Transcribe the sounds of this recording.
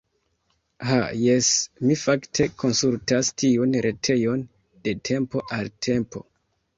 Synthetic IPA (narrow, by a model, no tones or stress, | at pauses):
ha̰jesmifaktʰe̞ko̞nsultastʰiunɾʔe̞tʰe̞jo̞n | d̥e̞tʰe̞mpo̞ʔaltʰe̞mpo̞̰